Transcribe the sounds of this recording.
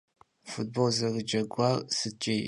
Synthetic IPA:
fut̚bolzɐɣɨd͡ʒɐɡʷarsɨt͡ʃʼe

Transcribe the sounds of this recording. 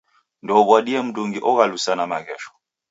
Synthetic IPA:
ndɔːβwaɗiɛm̩duŋɡiʔɔɣalusanamaɣɛʃɔ̥

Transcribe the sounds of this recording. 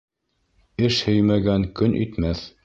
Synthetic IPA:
ɘʃhɵjmæɡæŋkɵnʔy̰t̪mæθ

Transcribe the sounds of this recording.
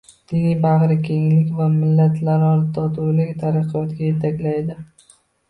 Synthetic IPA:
d̪̥ɪnijbɑʁɾɪkʲʰe̞ŋlɪkʲvamɪlːat̪ʰlaɾɒɾt̪ʰɒt̪ʰulakʲt̪ʰaɾɨqʰɨjɒt̪ɡʲaje̞t̪ʰakʲlajd̪ɪ

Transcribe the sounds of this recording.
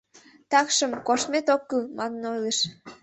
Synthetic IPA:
t̪ɑkʃəmkoʃmet̪okːəlmɑnnojleʃ

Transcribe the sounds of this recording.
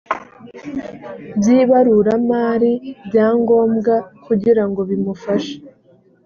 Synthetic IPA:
bjiːβaɾuɾamaːɾibɟaːŋɡo̞ːmɡakuɟiɾaŋɡo̞βimufaʃḁ

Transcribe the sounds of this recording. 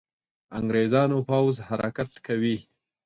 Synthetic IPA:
aŋɡɾezɑnopawzhaɾakat̪kawi

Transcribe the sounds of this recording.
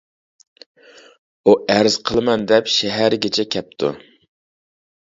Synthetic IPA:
uʔæɾz̥qʰəlˠɨmɛnd̪ɛpʃɛɦæɾɡʲɛt͡ʃʰɛkʲʰɛp̚t̪ʰṵ

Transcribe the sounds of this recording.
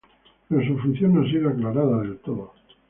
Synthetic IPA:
peosufunθjonas̬iɣoaklaɾaðaðelt̪oðo

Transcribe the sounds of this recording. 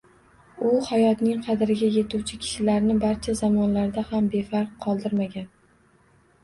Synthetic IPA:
ʊhajɒt̪nɪŋqʰɑd̪ɪɾɪɡʲaje̞t̪uwt͡ʃʰɪkʲʰɪ̥ʃɪlaɾnɪbaɾt͡ʃʰazamɒnlaɾd̪ahambe̞faɾq̚ʰːɒlˠd̪ɪɾmaɡʲan

